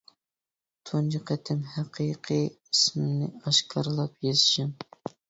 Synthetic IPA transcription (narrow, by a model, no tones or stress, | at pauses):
t̪ʰond͡ʒiqʰɛt̪ʰɪmhæqʰiqʰi | ismɪnɪɑʃkʰɑɾlˠɑpjezɪʃɪm